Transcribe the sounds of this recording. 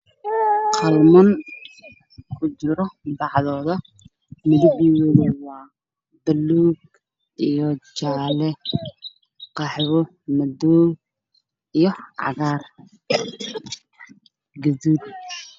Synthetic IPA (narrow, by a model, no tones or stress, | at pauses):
qʰɑlmɐn | kʰʊt͡ʃɪɾɔbɑʕðɔːðɐ | mɪðɪbiwɛːðɛwɑː | bɐluːɡ | ʔijɔt͡ʃaːlɛ | qɑħwʊ | mɐd̪ɔːɡ | ijɔʕɑ̰ɣaːr | ɡɐðuːd̪̚